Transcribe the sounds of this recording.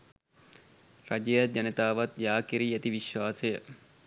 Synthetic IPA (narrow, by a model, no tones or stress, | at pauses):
rɐd͡ʒejad͡ʒɐnet̪aːʋat̪jaːkiɾiːæt̪iʋiʃʋaːsejə